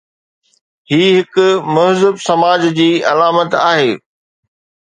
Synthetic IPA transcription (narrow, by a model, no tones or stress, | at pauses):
hiːɦɪkʊmʊɦzɪbsɐmaːd͡ʑd͡ʑiːɐlaːmət̪aːɦeː